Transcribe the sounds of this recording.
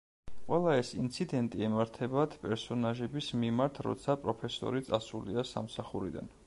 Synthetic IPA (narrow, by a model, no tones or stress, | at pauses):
qʼwɛlˠaɛsint̪sʰid̪ɛnt̪ʼiɛmaɾt̪ʰɛbat̪ʰpʼɛɾsɔnaʒɛbismimaɾt̪ʰɾɔ̰t̪sʰapʼɾɔpʰɛsɔ̰ɾit̪sʼasuliasa̰msaχuɾid̪a̰n